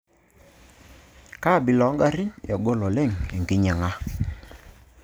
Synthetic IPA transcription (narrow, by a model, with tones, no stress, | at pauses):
ka˦˨bɪ˨lɔ˨˦ŋɡa˦ɾɪ˦ɲɛ˨ɡo˦lɔ˨lɛ˦˨ŋe˨ŋki˦ɲɛ˨ŋa˦